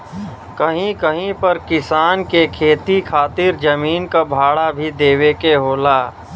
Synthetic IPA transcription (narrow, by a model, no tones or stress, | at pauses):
kəɦĩkəɦĩpɐɾkɪsaːnkekʰeːt̪ikʰaːt̪ɪɾd͡ʒəmiːnkabʱaːɽabʱid̪eːwekeɦoːlaː